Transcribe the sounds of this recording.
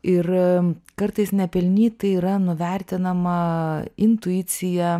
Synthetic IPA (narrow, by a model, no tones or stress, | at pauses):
ɪrkɐɾt̪ɐɪsnʲɛpʲɛlʲnʲiːt̪ɐɪiːɾɐnʊʋʲɛɾʲt̪ʲɪnɐmɐɪnt̪ʊiːsʲɪjɛ